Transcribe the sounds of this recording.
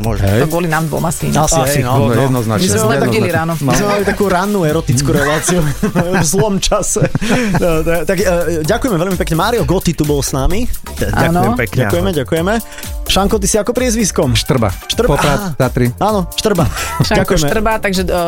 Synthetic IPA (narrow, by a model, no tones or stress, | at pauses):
mɔʒɛɔɡɔlinaːmd̪ʋɔ̰masḭɲasiaɦɛinɔɛd̪nɔznamizmɛmat̪ailiɾaːnɔmizmɛmalit̪akuːɾanːuɛɾɔt̪it͡skuːɾɛlaːt͡siuvzlɔmt͡ʃasɛ | t̪at̪aɡɟakujɛmɛʋɛʎmipɛkɲɛmaːɾiɔɡɔt̪it̪ubɔlsnami | aanɔɛpɛkɲakujɛmɛɟakujɛmɛ | ʃaŋkɔt̪isiakɔpɾɪɛzʋiskɔmʃt̪r̩ba̰ʃt̪r̩pɔɾazat̪ɾiaːnɔʃt̪r̩baɟakujɛmɛr̩bat̪aɡʒɛ